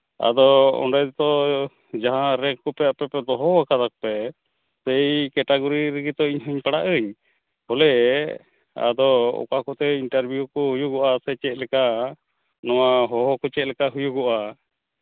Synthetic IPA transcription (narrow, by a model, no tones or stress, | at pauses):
a̰d̪ɔɔ̰ɳɖɛt̪t̪ɔ | d͡ʒaɦãɾɛkkɔpɛjaʔpɛpɛd̪ɔɦɔwakad̪ak̚pɛ | sejkɛʈaɡɔɾiɾɛɡit̪ɔiɲɦɔɲpaɽaʔəɲ | hɔlɛ | a̰d̪ɔɔ̰kakɔt̪ɛinʈaɾbʱjukɔhujuɡɔʔasɛt͡ʃɛt̪̚lɛka | nɔwaɦɔɦɔkɔt͡ʃɛt̪̚lɛkaɦujuɡɔʔa